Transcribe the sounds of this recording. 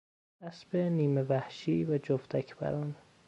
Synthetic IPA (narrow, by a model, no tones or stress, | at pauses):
æsbeniːmevæhʃiːvæd͡ʒoft̪ʰækʰbæ̰ɾɒn